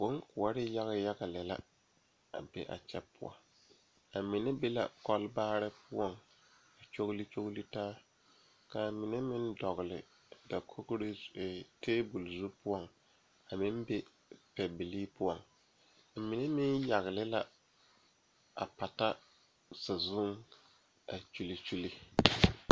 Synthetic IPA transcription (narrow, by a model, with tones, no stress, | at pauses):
bo˦ŋkʊ˨a˦ɾɪ˦ja˦ɣa˦ja˦ɡa˨lɪ˨la̰˦ | a̰˨be˦ʔa̰˨t͡ʃɛ˦pʊ̰˦a̰˦ | a˨mɪ˨ne˦be˦la̰˨kɔ˦lbaː˦ɾɪ˦pʊ˦ɔ˦ŋ | a˨t͡ʃo˦ɣli˦t͡ʃo˦ɣli˦taː˦ | ka˨mɪ˨ne˦mɪ˦n˦dɔ˨ɣlɪ̰˨ | da˨kʰo˦ɣɾe˦˨teː˦bu˨lzu˦pʊ˦ɔ˦˨ŋ | a˨mɪ˦n˦be˦ | pɛ˨bɪ˨liː˦pʊ˦ɔ˨ŋ˨ | mɪ˨ne˦mɪ˦nja˨ɣɪ˨lɪ˦la˦ | a̰˨pa˨ta˦ | sa˨zʊ˦ŋ | a˨t͡ʃu˨li˨t͡ʃu˦li˦